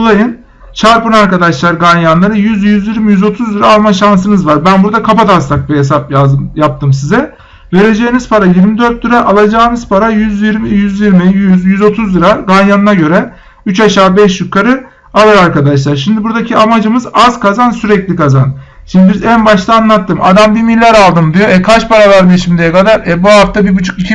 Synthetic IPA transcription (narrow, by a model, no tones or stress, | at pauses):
olˠajɯn | t͡ʃʰaɾpɯnaɾkad̪aʃlˠaɾɡanjanlˠaɾɯjyzjyzjiɾmijyzo̞t̪ʰuzlˠɯɾaːlˠmaʃans̬ɯnɯzvaɾbænbuɾd̪akʰapat̪asak̚biɦes̬ap̚jajap̚t̪ʰɯms̬izɛ | ve̞ɾe̞d͡ʒeːiniz̥pʰaɾajiɾmid̪ø̞ɾt̪̚lɯɾaʔalˠad͡ʒaːɯnɯz̥pʰaɾajyzjiɾmijyzjiɾmijyzjyzo̞t̪ʰuzlˠɯɾaɡanjanɯnaɟø̞ɾɛ | yt͡ʃaʃaːbɛʃjykʰaɾɯ | alˠaɾaɾkad̪aʃlˠaɾʃimd̪ibuɾd̪acʰiamad͡ʒɯmɯzaz̥kʰazansyɾɛclʲikʰazan | ʃimd̪ibiizænbaʃt̪ʰˠaːnlˠat̪ʰːɯma̰d̪ambimilʲːæɾalˠd̪ɯmd̪ijoɛkʰat͡ʃpʰaɾavaɾd̪iʃimd̪ejɛkad̪aɾɛbuɦaft̪ʰabibut͡ʃʰukicʰi